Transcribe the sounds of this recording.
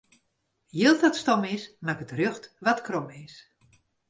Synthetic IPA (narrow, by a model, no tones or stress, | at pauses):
jɪlˠtɔtstɔmɪsmakətrøxtʋatkrɔmɪs